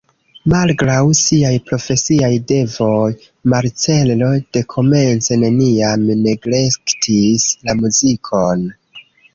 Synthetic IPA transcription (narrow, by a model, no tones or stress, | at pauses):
malɡɾawsiajpɾo̞fe̞siajde̞vo̞j | maɾt͡se̞llo̞d̥e̞kʰo̞me̞nt͡se̞ne̞niamne̞ɡɾe̞ktʰislamuzikʰo̞n